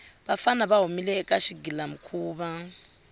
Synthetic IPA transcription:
βafanaβaɦumilɛːkʼaʃiɡilam̩kʰuːβa

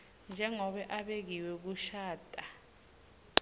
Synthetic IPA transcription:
nd͡ʒʱɛŋɔɓɛʔaɓek̬iwɛk̬uʃaːtʼa

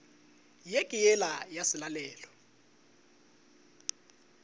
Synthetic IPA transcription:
jekʼijɛlajasɪlalɛːlɔ

